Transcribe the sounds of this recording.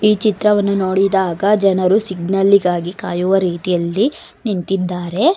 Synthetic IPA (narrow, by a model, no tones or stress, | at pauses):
iːt͡ʃit̪ɾɐʋɐnːunoːɽid̪aːɡɐd͡ʒɛnɐɾusiɡnɐlːiɡaːɡika̰ːjuʋɐɾiːt̪ijɐlːi | nint̪id̪ːaːɾe̞